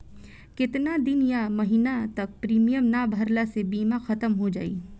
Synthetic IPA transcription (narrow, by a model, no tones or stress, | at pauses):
kɪt̪nad̪ɪnjamɐɦiːnat̪ɐk̚pɾiːmijəmnaːbʱɐɾlasebiːmaxɐt̪əmɦod͡ʒa̰ːḭː